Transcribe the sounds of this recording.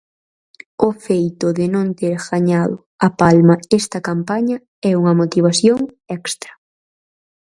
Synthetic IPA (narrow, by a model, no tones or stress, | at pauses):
ʊfejt̪ʊðɪnõnt̪eɾɣaɲaðʊ | ɐpalmɐɛst̪ɐkampaɲɐ | ɛuŋɐmot̪iβ̞aθjoŋ | ɛkst̪ɾɐ̥